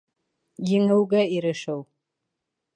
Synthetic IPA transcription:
jɪŋɨwɡaiɾɨʂɐw

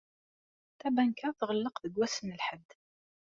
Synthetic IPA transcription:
t̪æbænkaɾθʁəlːəqðəɡʷwæsənəlħəd̪ː

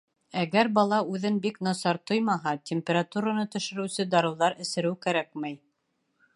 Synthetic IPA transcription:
æɡæɾbɑlˠɑʉðɘnbiknɑsɑɾt̪ojmɑɦɑtʲemʲpʲeɾat̪uɾanɤt̪ɵ̆ʃɘ̆ɾɘ̆wsɘd̪ɑɾɤ̆wðɑɾɘ̆sɘ̆ɾɘwkæɾæk̚mæj

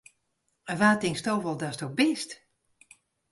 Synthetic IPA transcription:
əʋaːtɪŋstoːvəlˠdastok̚bɪst

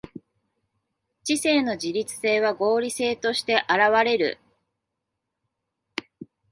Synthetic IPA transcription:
t͡ɕise̞ːno̞ʑiɾʲit͡sɨ̥se̞ːβ̞aɡo̞ːɾʲise̞ːt̪o̞ɕi̥t̪e̞ʔaɾaβ̞aɾe̞ɾɯ̟̰

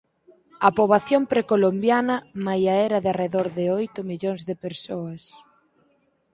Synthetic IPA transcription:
ɐpoβaθjompɾekolombjanɐmajaɛɾɐðɪareðoɾðɪojt̪ʊmiʎoŋzðɪpeɾsoɐs

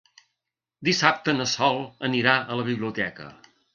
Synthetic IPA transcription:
d̪isap̚t̪ənəsɔlˠəniɾaələβ̞iβliut̪ɛkə̰

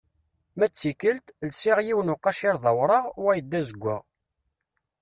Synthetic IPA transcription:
mæt͡sːikəlt̪lsɪʁjiwnʊqːɑʃiɾðˤɑwɾˤəʁwæjəd̪ːæzəɡʷːə̰ʁ

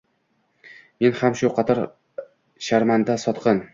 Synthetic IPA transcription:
me̞nhamʃʊqʰɑt̪ʰɑɾ | ʃaɾmand̪asɒt̪qɤn

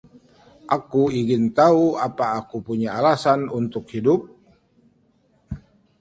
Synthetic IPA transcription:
ʔakuiŋɪnt̪auapaːkupuɲaalasanunt̪ʊkhidʊp̚

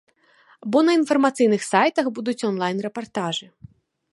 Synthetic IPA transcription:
bɔnɐinfɐrmat̪sɨjnɨxsajt̪ɐxbud̪ut͡sʲɔnlˠajnrɛpart̪aʐɨ

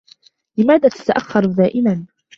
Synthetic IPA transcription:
lɪmaːðaːt̪ḁt̪aʔaxːɑɾˤd̪aːʔɪman

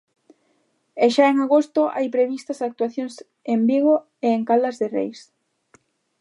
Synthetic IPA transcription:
eʃaeŋaɣost̪ʊʔa̰jpɾeβist̪ɐsak̚t̪waθjoŋs | embiɣ̞o | eeŋkalɐzðerḛjs

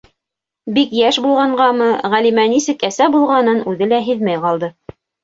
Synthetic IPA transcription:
bikjæʃbulˠʁɑɴɢɑmɤʁælimænisɘkæsæbulˠʁɑnɤnʉðɘlæɦɘðmæjqɑlˠd̪ɤ

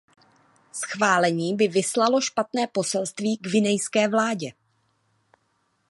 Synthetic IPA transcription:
sxvaːlɛɲiːbɪvɪslalo̞ʃpat̪nɛːpo̞sɛlst̪viːɡvɪnɛjskɛːvlaːɟɛ

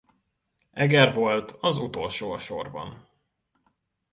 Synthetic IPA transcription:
ɛɡɛrvo̞lt̪ʰɒzut̪o̞lʃoːʃo̰rbɒ̰n

